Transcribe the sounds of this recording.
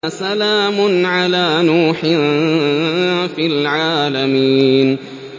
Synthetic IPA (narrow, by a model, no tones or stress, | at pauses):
salaːmʊnʕalaːnuːħɪ | filʕaːlamiːn